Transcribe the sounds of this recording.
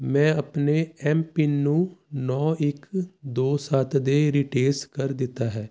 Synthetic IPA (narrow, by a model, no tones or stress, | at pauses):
mɛ̃ːəpneɛːmpɪnũːnɔːɪkd̪oːsaːt̪ʰd̪eːɾiʈeːskəɾd̪ɪt̪ːaːɦɛː